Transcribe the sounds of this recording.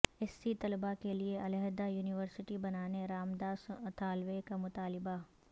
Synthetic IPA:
ɪsːit̪ɐlbakelieɐlɛɦd̪ajuːnɪʋəɾsɪʈibɐnaːneɾaːmd̪aːst̪ʰaːlʋekamʊt̪aːlɪba

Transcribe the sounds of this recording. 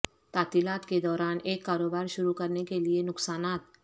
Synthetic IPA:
t̪aːt̪iːlaːt̪ked̪ɔːɾaːneːkːaːɾoːbaːɾʃʊɾukɐɾnekelienʊksaːnaːt̪

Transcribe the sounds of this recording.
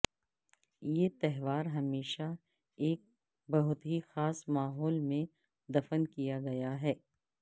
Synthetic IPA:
jeːt̪ɛɦʋaːɾɦɐmeːʃa | eːk̚ | bɐɦʊt̪ɦixaːsmaːɦɔːlmẽ | d̪ɐfənkijaɡɐjaɦɛː

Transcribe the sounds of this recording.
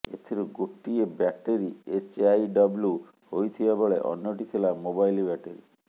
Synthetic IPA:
et̪ʰiɾuɡoʈːiebaʈeɾiet͡ʃajɖɔblu | hojt̪ʰibaboɭeʔɔ̰njoʈit̪ʰelamobajlibɛʈeɾi

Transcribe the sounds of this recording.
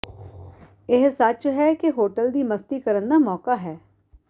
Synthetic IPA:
ɪɦsət͡ʃɦɛkeɦoːʈəld̪iːməst̪iːkəɾənd̪aːmɔːkaːɦɛː

